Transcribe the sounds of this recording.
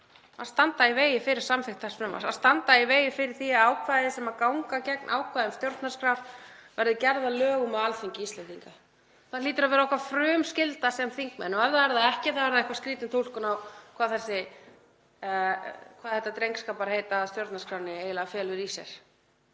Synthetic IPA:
a̰st̪ant̪aiveːjɪfɪɾɪɾ̥samfɪxt̪asfɾʏma̰saðst̪ant̪aiveːjɪfɪɾɪɾ̥θiaðaːwkʰvajðɪsɛmakawŋkacɛk̚nʔa̰wkʰvajðʏmst̪jowɾt̪nḁskɾaɾvɛɾðɪcɛɾðalœːɣʏmɛðalfiɲcɪist̪lɛnt̪iŋka | θaliːt̪ɪɾavɛːɾaɔhkvafɾʏːmscɪlt̪asɛmθiŋk̚mɛ̰nːɔɛvðaɛɾðaðɛhcɪθaɛɾðaɪhkvḁskɾiːt̪ɪnt̪ʰowl̥kʏnawkʰv̥aːðθɛsːɪ | kʰv̥aːðθɛht̪ːat̪ɾejŋkskapaɾahejt̪ast̪jowɾt̪naskʰɾaːvnɪejlafjɛːlʏɾisɛ̰ɾ̥

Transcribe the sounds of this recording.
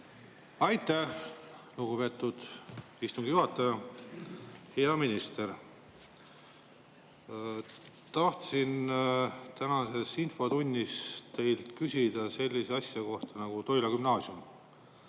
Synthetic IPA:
ɑjt̪ːˑæhluɡ̥upe̞t̪ːˑud̪̥ | ist̪uŋɡ̥ijuhɑt̪ːˑɑjɑ | heɑminist̪e̞ɾ | t̪ɑht̪sin | t̪ænɑse̞sinfo̞t̪unʲːist̪e̞jlt̪kysʲid̪̥ɑse̞lʲːiseɑsʲjɑko̞ht̪ɑnɑɡ̥ut̪o̞jlɑkymnɑːsjum

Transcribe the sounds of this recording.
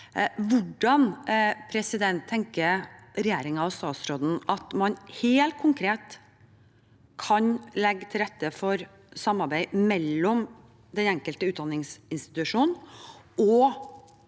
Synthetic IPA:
ʋʊɖɑnpʰɾɛsɪd̪ɛnt̪ʰːɛŋkəɾɾɛjæːɾɪŋɑɑst̪ɑːt̪sɾoːd̪n̩ʔɑt̪mɑnheːlt̪̚kʰʊŋkʰɾeːt̪ | kʰɑnlɛɡːt̪ʰɪlɾɛt̪ːəfɔɾ | sɑmɑɾbæɪmɛlːɔm | d̪ɛnɛŋkəlt̪əʉːt̪d̪ɑnɪŋsɪnst̪ɪ̥t̪ʉʂuːnn̩ʔɔ

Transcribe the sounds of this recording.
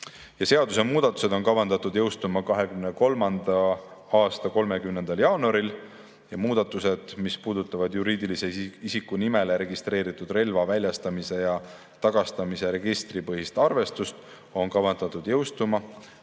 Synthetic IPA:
jɑse̞ɑd̪̥us̬e̞muːd̪̥ɑt̪ːˑu̥se̞d̪̥o̞nkɑvɑnd̪ɑt̪ːˑud̪̥jɤwst̪umɑkɑɦe̞kymneko̞lmɑnd̪̥ɑɑːst̪ɑko̞lme̞kymnend̪̥ɑljɑːnuɑɾil | jɑmuːd̪̥ɑt̪ːˑuse̞d̪̥mispuːd̪ut̪ːˑɑvɑd̪juɾiːd̪ilise̞isikːˑunime̞le̞ɾe̞ɡist̪ɾe̞ːɾit̪ːˑud̪re̞lvɑvælʲjɑst̪ɑmise̞jɑ | t̪ɑɡ̥ɑst̪ɑmise̞ɾe̞ɡ̥ist̪ripɤɦist̪ɑrve̞st̪ust̪ | o̞nkɑvɑnd̪̥ɑt̪ːˑud̪̥jɤwst̪umɑ

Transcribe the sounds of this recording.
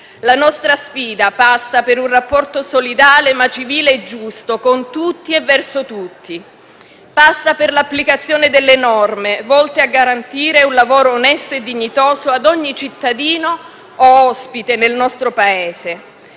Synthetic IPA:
lanɔst̪ɾasfiːd̪apasːapeɾunrapːɔrt̪osolid̪aːlemat͡ʃiviːleːd͡ʒːust̪okont̪ut̪ːievːɛrsot̪ut̪ːi | pasːaperlapːlikat̪sːjoːned̪elːenɔrmevɔlt̪eaɡːaɾant̪iːɾeunlavoːɾoːnɛst̪oed̪ːiɲːit̪oːzoad̪ɔɲːit͡ʃit̪ːad̪iːnoː | ɔspit̪enelnɔst̪ɾopaeːse

